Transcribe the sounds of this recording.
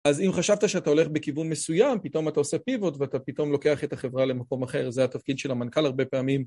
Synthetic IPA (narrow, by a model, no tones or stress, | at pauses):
azimχaʃavtaʃeataole̞χbekivunme̞sujampitomatao̞se̞pivo̞tveatapit̪o̞mlo̞ke̞aχetaχe̞vʁale̞mako̞maχe̞ʁzeat̪afkidʃe̞lhamankalaʁbe̞peamim